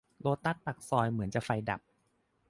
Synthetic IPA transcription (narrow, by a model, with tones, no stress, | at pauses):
loː˧t̪ːa˦˥˩t̪̚pa˨˩k̚sɔː˧jmɯ˩˦nt͡ɕa˨˩fa˧jda̰˨˩p̚